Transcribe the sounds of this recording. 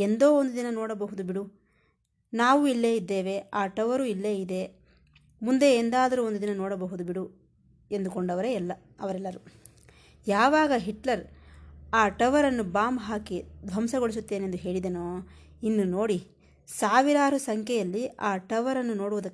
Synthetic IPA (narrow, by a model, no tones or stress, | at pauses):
end̪o̞ːond̪ud̪inɐnoːɽɐbɐɦud̪ubiɽu | naːʋuilːe̞ːjid̪ːe̞ːʋe̞aːʈɐʋɐɾuilːe̞ːid̪e̞ | mund̪e̞ːnd̪aːd̪ɐɾuond̪ud̪inɐnoːɽɐbɐɦud̪ubiɽu | e̞nd̪ukoɳɖɐʋɐɾeɛlːɐ | ɐʋɐɾɛlːɐɾu | jaːʋaːɡɐɦiʈlɐɾ | aːʈɐʋɐɾɐnːubaːmɦaːkid̪ʱʋɐmsɐɡoɭis̬ut̪ːe̞ːnend̪uɦe̞ːɭid̪ɐnoː | inːuno̞ːɽi | saːʋiɾaːɾusɐŋkʰɛjɐlːiaːʈɐʋɐɾɐnːuno̞ːɽuʋud̪ɐkː